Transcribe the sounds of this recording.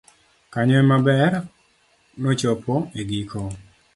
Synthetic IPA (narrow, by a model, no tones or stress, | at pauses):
kaɲɔɛmabɛr | nɔt͡ʃɔpɔʔeɡikʰo